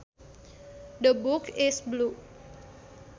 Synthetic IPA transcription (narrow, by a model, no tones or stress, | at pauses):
d̪əbukɪsblu